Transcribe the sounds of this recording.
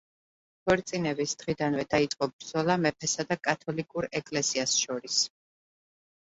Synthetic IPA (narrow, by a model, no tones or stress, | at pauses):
pʰɔɾt̪sʼinɛbisd̪̥ʁid̪anvɛd̪ait̪sʼqʼɔbɾd̪zɔlˠamɛpʰɛsad̪akʼat̪ʰɔlikʼuɾɛkʼlɛsiasʃɔɾis